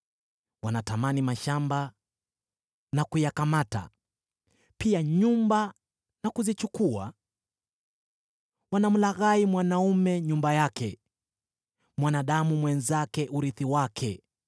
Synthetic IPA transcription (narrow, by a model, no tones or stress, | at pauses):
wanatamanimaʃamba | nakujakamata̰ | piaɲumba | nakuzit͡ʃukua̰ | wanam̩laɣaimwanaumɛɲumbajakɛ | mwanaɗamumwɛnzakɛʔuɾiθiwakʰɛ